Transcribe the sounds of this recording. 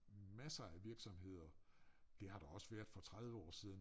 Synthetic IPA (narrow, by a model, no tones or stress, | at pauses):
mæsɐæʋiɐɡ̥sɒ̽mɦe̝ð̞̰ˠɐd̥e̝hɑ̈ɾ̥ɑɒ̽səʋæɐ̰d̥ˠfɒ̽t͡sʰʁað̞ˠʋəɒ̰ːsið̞ˠn̩